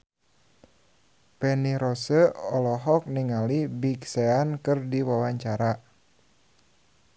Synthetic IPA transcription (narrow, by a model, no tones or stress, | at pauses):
pɛniɾɔsəɔlɔɦɔk̚niŋalibiksɛankɨrdiwawaɲt͡ʃaɾa